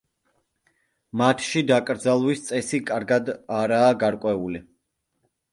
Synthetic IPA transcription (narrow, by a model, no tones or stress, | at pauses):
mat̪ʰʃid̪akʼɾd̪zalˠwist̪sʼɛsikʼaɾɡad̪aɾaːɡaɾkʼwɛuli